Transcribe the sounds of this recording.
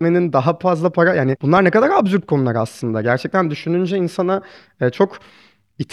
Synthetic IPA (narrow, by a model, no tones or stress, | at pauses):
me̞nind̪aɦafazlˠapʰaɾajaːnibunlˠaɾnekad̪aɾabzyɾp̚kʰo̞nulˠaɾɯaslˠɯnd̪a̰ɟæɾt͡ʃʰɛc̚t̪ʰænd̪yʃynynd͡ʒɛinsanaː | t͡ʃʰo̞k | it̪ʰ